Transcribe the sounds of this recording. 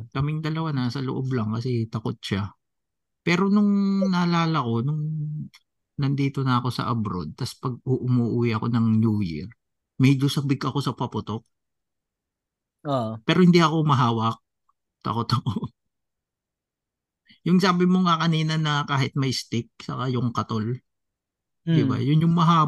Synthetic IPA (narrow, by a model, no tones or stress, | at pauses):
kɐmɪŋd̪ɐlɐwanɐsɐlo̰ʔoblɐŋkɐsɛt̪ɐko̞t̪̚ʃa | pɛːɾo̞nʊŋnɐːlaːlɐko̞nʊŋ | nɐnd̪iːt̪o̞nɐɐko̞sɐ̰ʔɐbɾo̞̰d̪̚t̪ɐspɐɡ̚ʔʊʔʊmuːʔuːwiʔɐko̞nɐŋnjuːjḭɹ | mɛd͡ʒosɐbɪɡʔɐko̞sɐpɐpʊt̪o̞k̚ | opɛːɾohɪnd̪iʔɐko̞mɐɦaːwɐk̚ | t̪ɐ̰kot̪ɐko | jʊŋsaːbɪmoŋɐkɐniːnɐnɐkaːhɪt̪̚mɐjst̪ɪk̚sɐkajʊŋkɐt̪ol | d̪ɪba̰jʊnjʊŋmɐɦaː